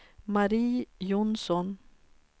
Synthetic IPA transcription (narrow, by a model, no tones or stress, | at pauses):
maɾiːjʊnsɔn